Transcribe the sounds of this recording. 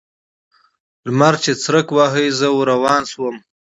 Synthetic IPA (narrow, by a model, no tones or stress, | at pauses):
lmaɾt͡ʃet͡sɾəkwɑɦəjzəwoɾawɑːnswəm